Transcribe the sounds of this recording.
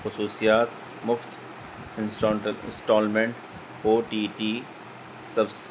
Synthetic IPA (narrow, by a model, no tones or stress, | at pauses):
xʊsuːsijaːt̪ | mʊft̪ | ɪ̃nsʈɔːəlɪ̰̃nsʈɔːlmẽɳʈ | oːʈiːʈiː | sɐbs